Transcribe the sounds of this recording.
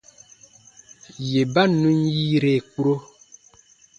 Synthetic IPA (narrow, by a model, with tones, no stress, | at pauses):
je˨ba˦nũ˦nji˦ɾe˨ku˦ɾo˦